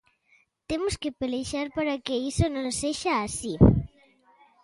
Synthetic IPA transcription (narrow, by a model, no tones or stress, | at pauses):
t̪emuskepeleʃaɾpaɾakeisonõseʃaːsi